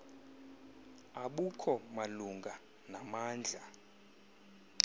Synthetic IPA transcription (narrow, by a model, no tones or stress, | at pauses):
aɓukʰɔmaluŋɡʱa | namaːnd͡ɮʱa